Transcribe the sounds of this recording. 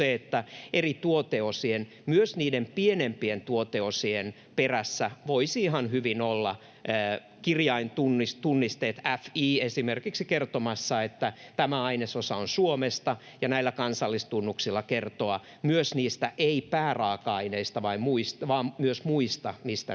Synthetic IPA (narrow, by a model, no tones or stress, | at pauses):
eet̪ːæʔerit̪uot̪eosien | myøsniːdempienempient̪uot̪eosien | peræsːæʋoisiːɦɑnhyʋinolːɑː | kirjɑint̪unːist̪unːist̪eːt̪æfiːesimerkiksikert̪omɑsːɑet̪ːæt̪æmæɑinesosɑonsuomest̪ɑ | jɑnæilːækɑnsɑlːist̪unːuksilːɑkert̪oɑ | myøsniːst̪æʔeipæːrɑːkɑɑineist̪ɑʋɑimmuist̪ʋɑːmmyøsmuist̪ɑmist̪æ̰